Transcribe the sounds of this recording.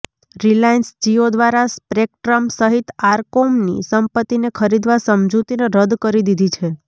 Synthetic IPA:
ɾilainsd͡ʒiod̪ʋaɾaspɾek̚ʈɾəmsəɦit̪aɾkomnḭsəmpət̪ːinekʰəɾid̪ʋasəmd͡ʒut̪ineɾəd̪kəɾid̪id̪ʱit͡ʃʰe

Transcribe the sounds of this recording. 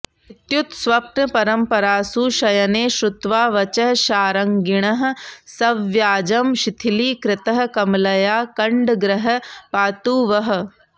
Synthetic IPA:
ɪt̪jut̪sʋɐpnɐpɐɾɐmpɐɾaːsuːʃɐjɐneːʃɾʊt̪ʋaːʋɐt͡ʃɐɦʃaːɾɐŋɡɪɽ̃ɐɦ̆sɐʋjaːd͡ʒɐmʃɪt̪ʰiliːkɾɪt̪ɐɦ̆kɐmlɐjaːkɐɳɖɡɾɐɦɐ̆paːt̪uːʋɐɦ̆

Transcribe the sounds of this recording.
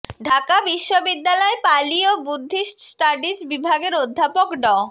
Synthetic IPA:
ɖʱakabiʃːobid̪ːalɔepaliobud̪ʱːiʃsʈaɖisbibʱaɡeɾod̪ʱːapokɖɔ

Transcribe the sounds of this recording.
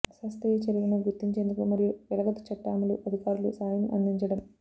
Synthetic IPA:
ɐsaːst̪ɐjɐt͡ʃɐɾuɡɐnɐɡuɾt̪ːiɲt͡ʃe̞ːnd̪ukumɐɾijuɛlɐɡɐt̪u̥t͡ʃɐʈːaːmɐluʔɐd̪ʱikaːɾulusaːjɐmʔɐ̰nd̪iɲt͡ʃɐɽɐm

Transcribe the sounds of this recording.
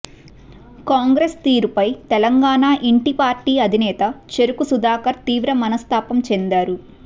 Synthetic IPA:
kaːŋɡɾest̪iːɾupɐjt̪ɛlɐŋɡaːnaːʔiɳʈipaːɾʈiːɐd̪ʱinɛːt̪ɐt͡ʃeɾukusud̪aːkɐɾt̪iːʋɾɐmɐnɐst̪aːpɐmt͡ʃend̪aːɾu

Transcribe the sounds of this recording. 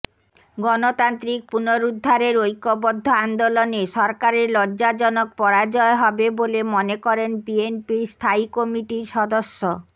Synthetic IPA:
ɡɔnot̪ant̪ɾik̚punoɾud̪ʱːaɾeɾojkːobod̪ʱːoand̪oloneʃɔɾkaɾeɾlɔd͡ʑad͡ʑɔnok̚pɔɾad͡ʑɔeɦɔbebolemonekɔɾenpienpiɾst̪ʰaijkomiʈiɾʃɔd̪oʃːo

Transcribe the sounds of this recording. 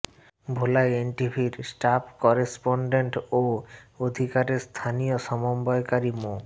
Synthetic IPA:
bʱolaeenʈibʱiɾsʈapkɔɾespoɳɖeɳʈood̪ʱikaɾest̪ʰanijoʃɔmombɔekaɾimo

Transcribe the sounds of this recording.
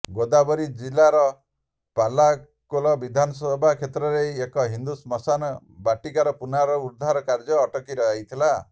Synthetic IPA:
ɡod̪abɔɾid͡ʒilaɾɔ | pala | kɔlɔbid̪ʱanɔsɔbʱakʰet̪ɾɔɾeekɔɦind̪usmɔsanɔ | baʈikaɾɔpunaɾɔuɾd̪ʱaɾɔkaɾd͡ʒɔːʈɔkiɾɔajt̪ʰila

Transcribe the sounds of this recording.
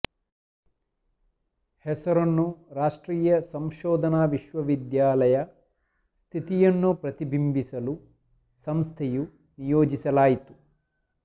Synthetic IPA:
hɛsɐɾɐnːuɾaːʂʈɾiːjɐsɐmʃɔːd̪ʱɐnaːʋiʃʋɐʋid̪jaːlɐjɐ | st̪ʰit̪ijɐnːupɾɐt̪ibʱimbisɐlu | sɐmst̪ʰɛju | nijoːd͡ʒisɐlaːjit̪u̥

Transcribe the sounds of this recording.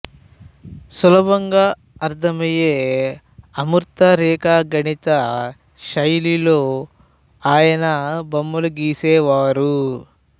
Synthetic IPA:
sulɐbɐŋɡaː | ɐɾt̪ʰɐmɐjeː | ɐmuɾt̪ɐɾɛːkaːɡɐɳit̪ɐ | ʃɐjliloː | aːjɐnɐbɐmːɐluɡiːsɛːʋaːɾu

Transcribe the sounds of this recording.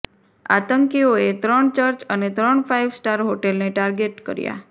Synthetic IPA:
a̰t̪əŋkioet̪ɾəɳt͡ʃəɾt͡ʃənet̪ɾəɳfʰaiʋsʈaɾɦoʈelneʈaɾɡeʈkəɾja̰

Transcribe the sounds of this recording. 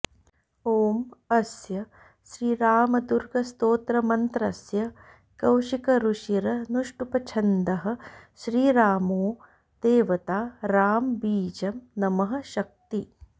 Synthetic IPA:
oːmɐsjɐ | ʃɾiːɾaːmɐd̪uɾɡɐst̪oːt̪ɾɐmɐnt̪ɾɐsjɐ | kɐwʃikɐɾuʃiɾɐnuʂʈupɐt͡ʃʰɐnd̪ɐɦɐ̆ʃɾiːɾaːmoː | d̪̥eːʋɐt̪aːɾaːmbiːd͡ʒɐmnɐmɐɦɐ̆ʃɐk̚t̪i

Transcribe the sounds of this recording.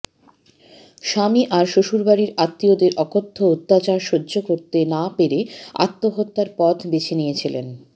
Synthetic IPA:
ʃamiʔaɾʃoʃuɾbaɾiɾat̪ːiod̪eɾʔɔkot̪ʰːout̪ːat͡ɕaɾʃodːd͡ʑokoɾt̪enapeɾea̰t̪ːoɦot̪ːaɾpɔt̪ʰbet͡ɕʰinijet͡ɕʰilḛn

